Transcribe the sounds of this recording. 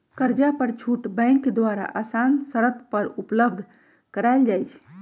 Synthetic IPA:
kəɾd͡ʒapəɾt͡ʃʰuʈbə̃ɪ̃ŋkd̪waɾa̰ʔasansəɾət̪pəɾupləb̚d̪ʱ | kəɾaɪld͡ʒajt͡ʃʰ

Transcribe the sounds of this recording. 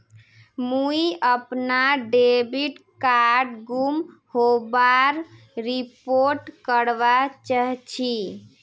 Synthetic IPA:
muiəpnaɖebiʈkaɾɾɖɡumhobaɾ | ɾipoɾʈkəɽbat͡ʃəɦt͡ʃʰi

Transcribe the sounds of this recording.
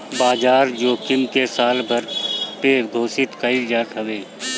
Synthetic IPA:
baːd͡ʒaːɾd͡ʒoːkɪmkesaːlbʱɐɾpeɡ̪ʱoːsɪt̪kəid͡ʒaːt̪ɦəʋeː

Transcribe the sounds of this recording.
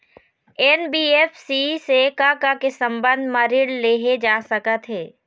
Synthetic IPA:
ɛːnbiːeːfsisekaːkakesə̃mbə̃nd̪ʱmaːɾɪɽleːɦed͡ʒaːsəkət̪ɦɛː

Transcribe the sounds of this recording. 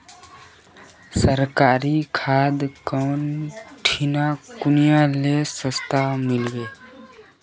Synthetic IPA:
səɾkaːɾikʰad̪kənʈʰinakunijalesə̃st̪ʰamilɡe

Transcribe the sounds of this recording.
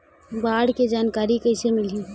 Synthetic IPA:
baːɽked͡ʒaːnkaːɾikɐɪsemɪli

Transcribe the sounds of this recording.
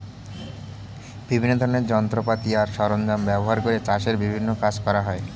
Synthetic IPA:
b̥ibʱinːod̪ʱɔɾoneɾd͡ʑɔnt̪ɾopat̪iaɾʃɔɾond̪ambɛboɦaɾkoɾet͡ɕaʃeɾbibʱinːokad͡ʑkɔɾaɦɔe

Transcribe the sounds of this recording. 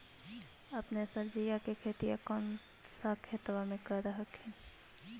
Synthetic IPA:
ɐpnesəɾd͡ʒijakekʰeːt̪ijakɔːn | sakʰət̪ʋamẽkəɾəɦəkɛː

